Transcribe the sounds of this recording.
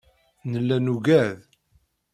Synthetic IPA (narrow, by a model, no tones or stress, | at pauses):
nəlːænuɡæð